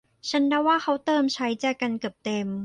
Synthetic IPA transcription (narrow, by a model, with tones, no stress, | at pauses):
t͡ɕʰa˦˥nda˥˩waː˥˩xʰa˦˥wt̪ɤː˧mt͡ɕʰa˦˥jt͡ɕaː˨˩ka˧nka˨˩p̚t̪e˧m